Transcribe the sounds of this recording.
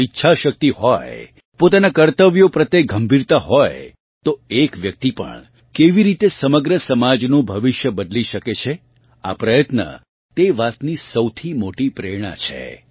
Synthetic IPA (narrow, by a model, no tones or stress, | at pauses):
itːʃʰaʃək̚t̪iɦɔj | pot̪anakəɾt̪əʋjopɾət̪ːeɡʱəmbʱiɾt̪aɦɔj | t̪oekʋjək̚t̪ipə̰ɳ | keʋiɾit̪esəməɡɾəsəmad͡ʒnũbʱəʋiʃjəbəd̪liʃəket͡ʃʰe | a̰pɾəjət̪nə̰ | t̪eʋat̪nisəwt̪ʰimoʈipɾeɾɽ̃a̰t͡ʃʰḛ